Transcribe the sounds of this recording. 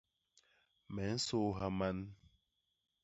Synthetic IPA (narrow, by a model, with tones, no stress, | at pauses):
mɛ˨n̩˦so˦ɦa˦ma˦n